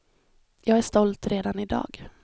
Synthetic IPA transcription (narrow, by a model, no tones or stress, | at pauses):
jɑːɡæʂt̪ɔlt̪ɾeːd̪anɪd̪ɑ̰ːɡ